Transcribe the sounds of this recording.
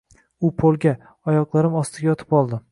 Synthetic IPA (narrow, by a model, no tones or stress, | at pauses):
ʊpʰolˠɡʲa | ɒjɒqlˠaɾɪmɒst̪ʰɪɡʲajɒt̪ʰɪ̥pɒlˠd̪ɪ